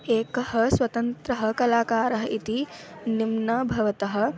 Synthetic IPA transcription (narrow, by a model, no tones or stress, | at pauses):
eːkɐhɐ̆swɐt̪ɐnt̪ɾɐɦɐ̆kɐlaːkaːɾɐɦɐit̪i | nimnɐbʱɐʋɐt̪ɐɦɐ̆